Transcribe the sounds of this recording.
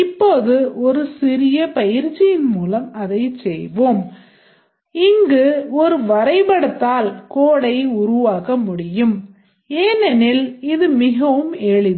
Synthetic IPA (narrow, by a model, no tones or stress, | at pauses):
ɪpːoːðɯɔɾɯsɪɾɪjɐpɐjɪɾt͡ʃːɪjɪnmuːlɐmɐðɐɪt͡ʃsɛjʋoːm | ɪŋɡɯɔɾɯʋɐɾɐɪpɐɽɐt̪ːaːlkoːɽɐɪʊɾʊʋaːɣɐmʊɽɪjɯm | eːnɛnɪlɪðɯmɪɣɐʋɯmɛɭɪð